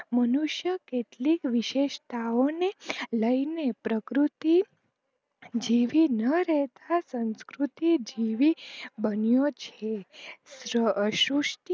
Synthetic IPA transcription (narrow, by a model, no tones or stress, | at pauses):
mənuʃjəkeʈ̪likʋiʃeʃt̪aʋoneləinepɾəkɾut̪i | d͡ʒiʋinəɾɛɦt̪ʰasə̃nskɾut̪id͡ʒiʋibənijot͡ʃʰesɾəʃuʂt̪i